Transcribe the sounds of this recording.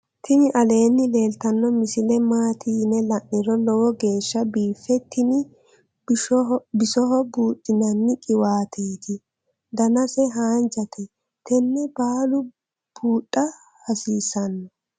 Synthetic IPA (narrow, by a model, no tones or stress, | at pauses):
t̪ʰɪnɪʔɐle̞ːnːɪle̞ːlt̪ɐnːɔmɪsɪlɛmaːt̪ʰiːnɛlɐʔːɪɾɔlɔwɔɡe̞ːʃːɐbiːfɛt̪ʰɪnɪ | bɪsɔɦɔbuːtʼːɪnɐnːɪkʼɪwaːt̪ʰeːt̪ʰɪ | d̪ɐnɐsɛɦaːnd͡ʒɐt̪ʰɛ | t̪ɛnːɛbaːlʊ | b̥uːtʼːɐ | hɐsiːsɐnːɔ